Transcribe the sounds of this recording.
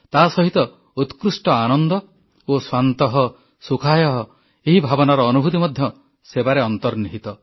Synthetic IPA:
t̪aːsɔɦit̪ɔ | ut̪kɾusʈɔanɔnd̪ɔ | oswant̪ɔɦɔ | sukʰajɔɦɔ | eɦibʱabɔnaɾɔːnubʱut̪imɔd̪ʱjɔ | sebaɾeɔnt̪ɔɾniɦit̪ɔ

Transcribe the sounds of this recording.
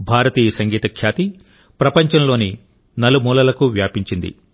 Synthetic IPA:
bʱaːɾɐt̪iːjɐsɐŋɡiːt̪ɐkʰjaːt̪i | pɾɐpɐɲt͡ʃɐmlo̞ːni | nɐlumuːlɐlɐkuʋjaːpiɲt͡ʃind̪ḭ

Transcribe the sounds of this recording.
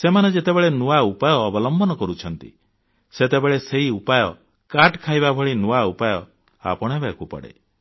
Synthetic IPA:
semaned͡ʒet̪ebeɭenuaupajɔːbɔlɔmbɔnɔkɔɾut͡ʃʰɔnt̪ḭ | set̪ebeɭeseɦiupajɔ | kaʈkʰajbabʱɔɭinuaupajɔ | a̰pɔɽ̃ɔ̃ɦebaekupɔ̰ɽḛ

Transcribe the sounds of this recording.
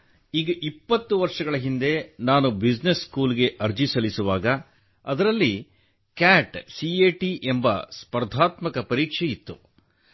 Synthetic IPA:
iːɡɐʔipːɐt̪ːuʋɐɾʂɐɡɐɭɐɦind̪e̞naːnubid͡ʒneskuːliɡe̞ʔɐɾd͡ʒisɐlisuʋaːɡɐ | ɐd̪ɐɾɐlːi | kaːʈsieːʈiʔembɐ̰spɐɾd̪ʱaːt̪mɐkɐpɐɾiːkʂejit̪ːṵ

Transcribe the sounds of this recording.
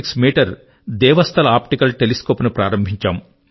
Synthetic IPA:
ksmiːʈɐɾ | d̪ɛːʋɐst̪ʰɐlɐaːpʈikɐlʈeliskoːpnupɾaːɾɐmbʱiɲt͡ʃaːm

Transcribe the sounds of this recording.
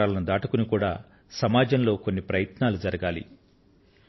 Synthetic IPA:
aːlɐnud̪aːʈukunikuːɽa̰ː | sɐmaːd͡ʒɐnlo̞ːkonːipɾɐjɐt̪naːlud͡ʒɐɾɐɡaːlḭ

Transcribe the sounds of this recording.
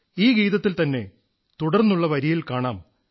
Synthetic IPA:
iːɡiːðɐt̪ːilt̪ɐnːe̞̰ | t̪uɽɐrnːuɭːɐʋɐɾijilkaːɳaːm

